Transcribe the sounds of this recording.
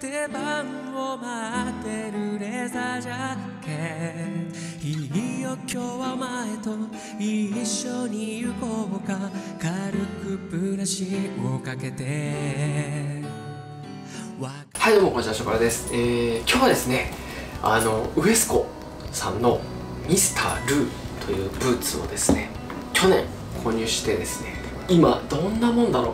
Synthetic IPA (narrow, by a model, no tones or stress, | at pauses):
t̪ebaɯ̃ | omat̪e̞ɾɯ̟ɾe̞zaʑa | ke | iijokʲjo̞βaomae̞t̪o̞ | iɕːo̞ɲ̟ijɯ̟koɡokakaɾɯ̟kɯ̟pɯ̟ɾaɕiokake̞t̪e̞ | a | haijd̪omokoɕiaɕokaɾad̪e̞sɨ̥eːkʲo̞ːβad̪e̞sɨne̞ | a̰no̞ɯ̟e̞sɨ̥ko̞ | sã̰nːo̞ | mʲisɨ̥t̪ʰa̰ːɾɯ̟ːt̪ʰo̞jɯ̟ːbɯ̟ːt͡sɨo̞̰d̪e̞sɨ̥ne̞ | kʲo̞nẽ̞̰ŋ | kʰo̞ːɲ̟ʲɨːɕi̥t̪e̞d̪e̞sɨ̥ne̞k | imad̪õ̞nːamõ̞nd̪aɾoː